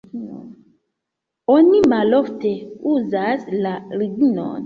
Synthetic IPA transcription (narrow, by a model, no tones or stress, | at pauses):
o̞nimalo̞fte̞uzaslaɾiɡino̞̰n